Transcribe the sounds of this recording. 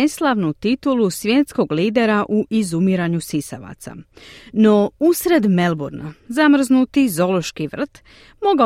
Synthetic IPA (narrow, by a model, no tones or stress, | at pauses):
eslˠaʋnut̪it̪ulusʋjeːt̪sko̞ɡliːd̪e̞ɾaʔuʔizumiɾaɲusisa̰ʋa̰t̪sa̰no̞usɾe̞d̪me̞lˠbuɾnazamr̩znut̪izo̞loʃkiʋr̩t̪ | moɡa